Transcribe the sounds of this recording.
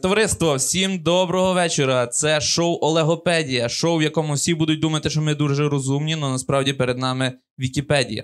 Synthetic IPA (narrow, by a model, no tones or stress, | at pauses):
t̪ɔʋɐɾɪst̪ʋɔwsʲimd̪ɔbɾɔɦɔʋɛt͡ʃeɾɐt̪sɛʃɔwʔɔlˠeɦɔpɛdʲijɐʃowʋjɐkɔmʊwsʲibud̪ʊt̚ʲd̪umɐt̪ɪʃt͡ʃɔmɪd̪uʒɛɾɔzumnʲinɔnɐspɾɑwdʲipeɾed̪nɑmɪ | ʋʲikʲipɛdʲḭjɐ̰